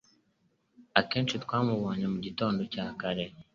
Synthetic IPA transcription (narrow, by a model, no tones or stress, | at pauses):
akeːnt͡ʃitkwaːmuβoːɲemuɟito̞ːndo̞caːkaɾe̞